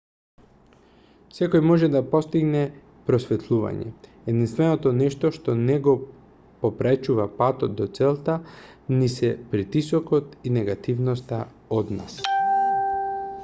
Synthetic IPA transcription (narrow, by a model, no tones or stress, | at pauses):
sɛkojmɔʒɛd̪apɔst̪iɡnɛ | pɾɔsvɛt̪ʰlˠuva̰ɲɛ̰ | ɛd̪inst̪vɛnot̪ɔnɛʃt̪ɔʃt̪ɔnɛɡɔ | popɾɛt͡ʃuvapat̪ɔt̪̚d̪ɔt̪sɛlˠt̪a | nisɛpɾit̪isɔkɔt̪inɛɡat̪ivnɔst̪a | od̪na̰s